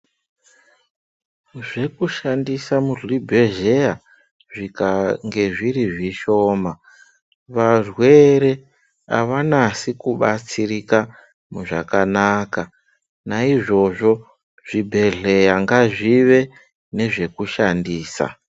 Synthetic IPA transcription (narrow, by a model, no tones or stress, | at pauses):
ʐe̞kuʃandisamuɮibʱe̞ɮe̞ja | ʐikaŋɡe̞ʐiriʐiʃo̞ːma | ʋarwe̞ɾe̞ | a̰ʋanasikuɓat͡sirika | muʐakanaka | naiʐo̞ʐo̞ | ʐ̥ibʱe̞ɮe̞jaŋɡaʐiʋe̞ | ne̞ʐe̞kuʃandiːsa̰